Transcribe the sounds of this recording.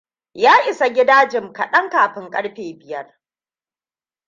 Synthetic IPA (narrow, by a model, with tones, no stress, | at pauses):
jaː˦ʔɪ˨sa˨ɡʲɪ˦daː˦d͡ʒɪ˨mkɐ˨ɗɐ˦ŋkaː˨ɸɪ˦ŋkʼɐ˦ɽɸeː˨bɪ˨jɐ˦r